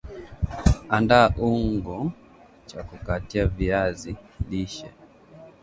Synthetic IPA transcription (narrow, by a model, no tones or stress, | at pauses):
andaːʔuŋɡɔ | t͡ʃakukatiaviaziliʃɛ̰